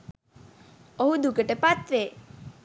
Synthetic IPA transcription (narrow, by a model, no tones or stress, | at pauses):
ɔɦud̪ʱukəʈepat̪ʋe